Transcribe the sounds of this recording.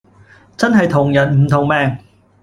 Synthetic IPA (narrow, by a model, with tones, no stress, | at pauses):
t͡sɐ˥nɦɐ˨jt̪ʰʊ˨˩ŋjɐ˨˩nm̩˨˩t̪ʰʊ˨˩ŋmɛː˧ŋ